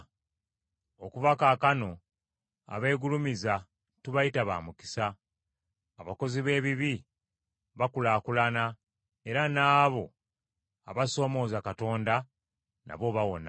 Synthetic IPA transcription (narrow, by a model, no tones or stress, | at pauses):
okuβakaːkano̞ | a̰βe̞ːɡulumiza | tuβajitaβa̰ːmuki̥saː | βako̞ziβe̞ːβiβi | βakulaːkulana | e̞ɾanaːβo̞ | a̰βaso̞ːmo̞ːzakato̞ːnda | nʔa̰βo̞βawo̞̰na